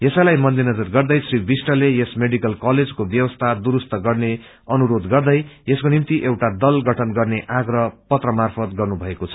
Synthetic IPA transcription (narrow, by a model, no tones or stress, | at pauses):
jesʌlajmʌnd̪inʌd͡zʌrɡʌrd̪ʌjsribisʈʌlejesmeɖikʌlkaled͡zkobjʌwʌst̪ʰad̪uɾust̪ʌɡʌrne | ʌnuɾod̪ɡʌrd̪ʌjeskonimt̪iʔewʈad̪ʌlɡʌʈʰʌnɡʌrneʔaɡrʌpʌt̪rʌmarpʰʌt̪ɡʌrnubʱʌekot͡sʰʌ̥